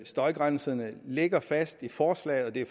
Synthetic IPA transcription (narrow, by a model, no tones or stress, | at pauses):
sd̥ɒ̽ɪɡ̥ʁansɐnəleɡ̥ɐfæsd̥ifɒːslɛ̰ɪɒ̽d̥e̝